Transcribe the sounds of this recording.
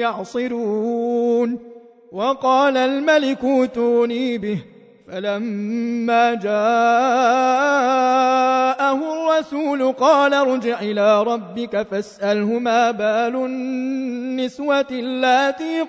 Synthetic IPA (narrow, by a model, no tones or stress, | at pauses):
ɑʕsˤɨɾuːn | wɑqɑːlalmalɪkuːt̪uːniːbɪh | falamːaːd͡ʒaː | ʔahʊrˤːɑsuːlʊqɑːlaɾˤʊd͡ʒɪʕʔɪlaːɾˤɑbːɪkafasʔalɦʊmaːbaːlʊ | nːɪswat̪lːaːt̪iː